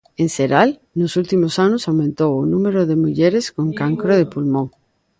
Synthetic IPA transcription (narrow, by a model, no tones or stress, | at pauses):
ẽŋseɾal | nʊsult̪imosanʊsawmẽnt̪owʊnũmeɾoðemuʎeɾeskoŋkaŋkɾoð̞epulmõŋ